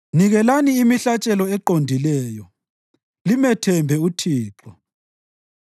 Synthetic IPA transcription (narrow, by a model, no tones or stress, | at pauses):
niɣɛlaniːmiɬat͡ʃʼɛlɔɛǃondʱilɛːjɔ | limɛtʰɛmbʱɛutʰiːǁɔ